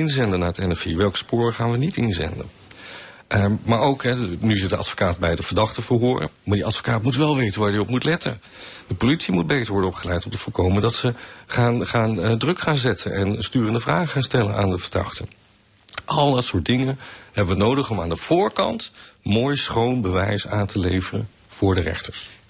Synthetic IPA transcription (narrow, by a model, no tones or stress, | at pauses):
ɪnzɛndənaːɹətɛnɛfiʋɛlˠkspʊːɹəχaːnʋənitɪnzɛ̰ndə̰n | maːɹowkɦɛnyɪzɪtdəɑ̰tfo̥kaːdbɛjdəvəɹdɑχtəvəɹɦʊːrə̰maːɹdiʔɑtfo̥kaːtmutʋɛlˠʋejtənʋaːɹdiɔpmutlɛtə̰n | dəpolitsimud̚bejtəɹʋɔɹdəɔpχəlɛjtɔmtəv̥ʊlˠkowməndɑtsəχaːnχaːndrɵkχaːnzɛtʰənɛnstyːrəndəvra̰ːχχaːnstɛlə̰na̰ːndəvəɹdɑ̰χtə | ɑlˠdɑtsʊːɹt̚dɪŋənhɛbəʋənowdəχɔmaːndəv̥ʊːɹkɑ̰ntmoːjsχownbəʋɛ̰jsaːntʰəlejvərə̰n | v̥ʊːɹdərɛ̰χtəɹs